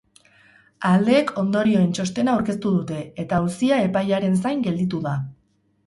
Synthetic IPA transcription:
ald̪e̞ːkʰo̞nd̪o̞ɾio̞e̞nt͡ʃo̞st̪e̞naːwɾke̞st̪uðut̪e̞et̪ausiae̞pajaɾe̞nsajŋɡe̞ld̪it̪uða

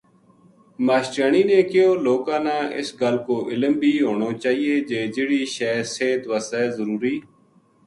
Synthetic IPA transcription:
maːʃʈaːɳiːnẽːkɪjoːloːkãːnãːʔɪ̰sɡəlkoːʔɪləmbʱiːɦoːɳoːt͡ʃaːɦiːeːd͡ʒeːd͡ʒɪːɽiːʃɛːseːt̪ʋəːsɛːzəɾuːɾiː

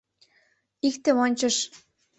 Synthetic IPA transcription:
ikt̪ĕonʲt͡ɕɤ̆ʃ

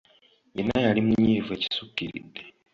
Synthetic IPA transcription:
inajaɾimuɲiveci̥sukiɾḭde

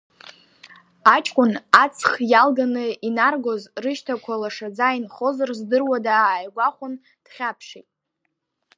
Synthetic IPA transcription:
at͡ʃʼkʷʼʊnat͡sʰχjalɡanɨinarɡozrɨʃtʰakʷʰalaʂad͡zainχo̞zarzdɨrwadaːjɡʷaχʷʊn | d̥χʲapʰʂitʼ

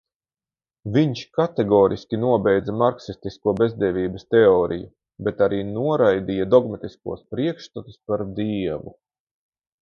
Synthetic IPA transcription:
viɲʃkat̪eɡɔːɾḭskʲinuɔbɛjd̪zɐmaɾksist̪iskuɔbe̞zd̪ɛvʲiːbɐst̪eɔːɾʔḭju | bet̪aɾiːnuɔɾajd̪ijad̪ɔɡmat̪iskṵɔspɾiɛkʃt̪at̪u̥spaɾd̪iɛvu

